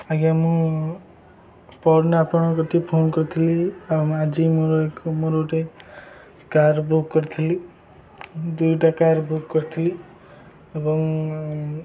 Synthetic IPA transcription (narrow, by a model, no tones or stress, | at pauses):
aɡamũ | pɔɾnapɔɳ̃ɔkɔt̪ipʰonkɔɾit̪ʰiliad͡ʒimoɾoekmoɾoʈe | kaɾbukːɔɾt̪ʰili | d̪ujʈakaɾbukːɔɾt̪ʰili | ebɔŋ